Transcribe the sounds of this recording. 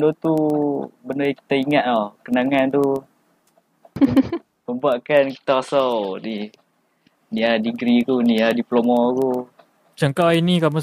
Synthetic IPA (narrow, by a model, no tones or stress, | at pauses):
dot̪ubənəki̥t̪aiŋaʔ̪̚akənaŋant̪u | məmbuaʔkanki̥t̪akasawni | niadiɡɾikuniadiplomaku | t͡ʃəŋkainikamu